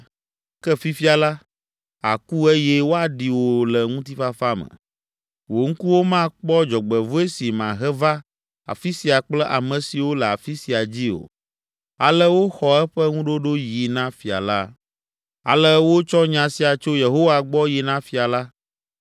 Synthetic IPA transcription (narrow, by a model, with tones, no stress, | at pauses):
kɛ˦fi˦fi˦a˨la˦ | a̰˨ku˦e˦jɛ˦wo˦a˨ɖi˨wo˨lɛ˨ŋũ˦t̪i˦fa˦fa˦mɛ̰̃˨ | wo˨ŋ̩˦ku˦wo˦mã˦k͡pɔ˦d͡ʒɔ˨ɡ͡bɛ˨vo˦e˦si˨mã˨ɦɛ˦va˦ | a̰˨fi˦si˨a˨k͡plɛ˦ʔa˨mɛ̃˨si˨wo˦lɛ˨a˨fi˦si˨a˨d͡ʑi˦o̰˨ | a̰˨lɛ˦wo˦xɔ˨ɛ˦ɸɛ˦ŋũ˦ɖo˦ɖo˦ji˨nã˦fi˨a̰˨la˦ | a̰˨lɛ˦wo˦t͡ʃɔ˦ɲã˨si˨a˨t͡ʃo˦je˨ɦo˦wa˨ɡ͡bɔ˦ji˨nã˦fi˨a˨la˦